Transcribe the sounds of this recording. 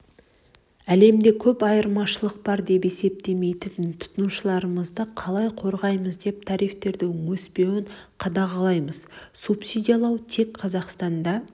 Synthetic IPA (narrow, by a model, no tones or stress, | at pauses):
æle̞md̪e̞kʲʰɵpɑjəɾmɑʃəlˠəq̚bɑɾd̪e̞pe̞se̞p̚t̪e̞me̞jt̪ɪt̪ɪnt̪ʰʊ̥t̪ənuʃəlˠɑɾəməzd̪əqʰɑlˠɑjqʰo̞ɾʁɑjməzd̪e̞p̚t̪ʰɑɾijft̪e̞ɾd̪ɪwɵspe̞wɪɴqʰɑd̪ɑʁɑlˠɑjməz̥supsid̪ʲijɑlˠɑwt̪ʰe̞kqʰɑzɑqst̪ɑnd̪ɑ